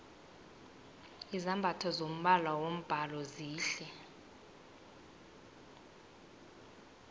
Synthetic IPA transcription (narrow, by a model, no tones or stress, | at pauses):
izambʱatʰɔzom̩ɓalwawom̩b̥ʱalɔziːɬɛ